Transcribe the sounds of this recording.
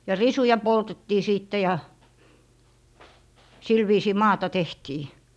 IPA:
jɑ risujɑ poltetːiː siˑtːe jɑ sil ʋiːsiː mɑːtɑ tehtiː

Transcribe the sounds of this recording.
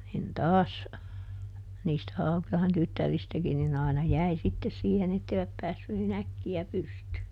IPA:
nin tɑːs niːstæ hɑukĭlɑhen tytːæristækin nin ɑˑinɑ jæi sitːes siːhen etːeiʋæp pæːsːy nin ækːiæ pystyː

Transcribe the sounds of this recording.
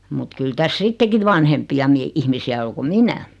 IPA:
mut kyl tæs sitːeki ʋɑnhempiɑ mie ihmisiæ o ko minæ

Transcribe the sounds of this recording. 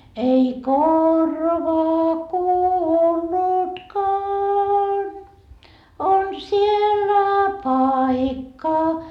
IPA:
ei korʋɑ kuːlːutkɑːn on sielːæ pɑikːɑ

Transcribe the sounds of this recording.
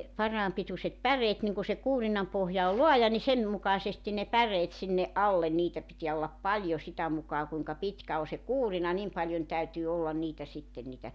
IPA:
pɑrɑːm pitusʲet pæreːt niŋ ku se kuːrinɑm pohjɑ ol loɑjɑ ni sen mukɑĭsestin ne pæreːt sinːe ʔɑlːen niːtæ pitiæ olːɑp pɑlʲjo sitæ mukɑː kuiŋkɑ pitkæ o se kuːrinɑ nim pɑljon tæytyː olːɑn niːtæ sitːen̆ niːtæ

